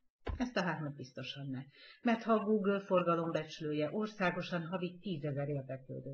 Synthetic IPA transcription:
ɛst̪ɒɦaːrmɒd̪̚bist̪o̞ʃɒnːɛmɛrt̪hɒɡuːɡølfo̞rɡɒlo̞mbɛt͡ʃyløːjɛʔo̞rsaːɡo̞ʃɒnɦɒvitt̪iːzɛzɛɾeːrd̪ɛklø̰ːd̪øː

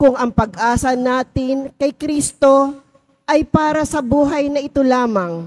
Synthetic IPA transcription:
kʊŋɐŋpɐɡʔaːsɐnaːt̪ɪnkɐjkɾist̪o̞ | ʔɐjpaːɾɐsɐbuːɦɐjnɐʔɪt̪olaːmɐŋ

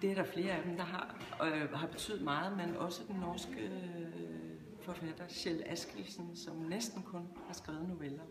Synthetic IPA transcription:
d̥e̝æɐɾɑ̈fle̝ːɐæd̥emd̥ɑ̈ɦɑ̈ | ɦɑ̈b̥e̝t͡sʰy̰ð̩ˠmɑ̈ːð̩ˠmenɒ̽səd̥enːɒːsɡ̥ə | fɒ̽fæd̥ɐɕel̰æsɡ̥ʁisn̩sɒ̽mnesd̥n̩kʰɔ̽n | hɑ̈sɡ̥ʁɛːʊð̞̩ˠno̝ʋelɐ

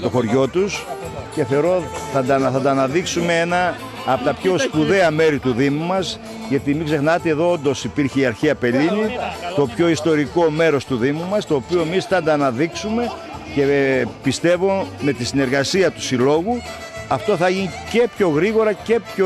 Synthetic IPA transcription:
t̪o̞xo̞ɾʝo̞t̪us | ce̞θe̞oɾo̞θɐd̪ɐθɐnd̪ɐːnɐðiksumeenɐː | pot̪ɐpço̞spuðe̞ɐme̞ɾit̪uðimumɐs | ʝɐt̪imiɡze̞xnɐt̪eeðo̞ond̪o̞sipiɾçeiɐɾçiɐpe̞linit̪o̞pço̞ist̪o̞ɾiko̞me̞ɾo̞st̪uðimumɐst̪o̞ːpio̞e̞mist̪ɐnd̪ɐːnɐðiksume̞ | ce̞pist̪e̞vo̞me̞t̪isine̞ɾɣɐsiɐt̪u̥silo̞ɣu | ɐft̪o̞θɐʝinice̞pço̞ɣɾiɣo̞ɾɐce̞pço

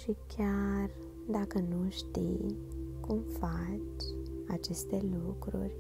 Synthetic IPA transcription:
ʃikʲar | d̪akənuʃt̪ḭj | kumfat͡ʃat͡ʃe̞st̪e̞lukɾṵrʲ

